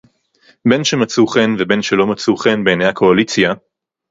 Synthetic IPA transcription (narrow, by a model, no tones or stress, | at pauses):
be̞nʃemat͡suχenvebe̞nʃelo̞mat͡suχenbeːnejhakʰo̞alit͡sja